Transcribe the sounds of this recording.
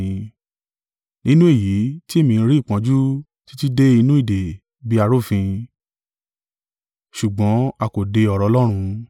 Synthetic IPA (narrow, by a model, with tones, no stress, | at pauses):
nĩ˦nũ˦e˦˨ji˨˦ti˦e˦˨mĩ˧ɾi˦i˦˨k͡pã˨˧d͡ʒu˦ | ti̥˦ti˦de˦i˧nũ˦i˦˨de˨ | bi˦a˧ɾo˦˨fĩ˧ | ʃu˨ɡ͡bɔ̃˨˦a˧ko˨de˧ɔ˧˨ɾɔ˨˧˦lɔ˦ɾ̃ũ˧